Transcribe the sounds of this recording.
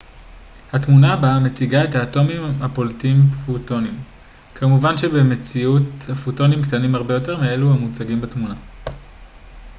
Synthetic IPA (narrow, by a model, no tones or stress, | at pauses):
hatmunabame̞t͡siɡae̞thaːto̞mimhapoltiimfuto̞nim | kʰamuvanʃebe̞me̞t͡siuthafuto̞nimkt̪animaʁbe̞jo̞te̞ʁmie̞luhamut͡saɡimbatmuna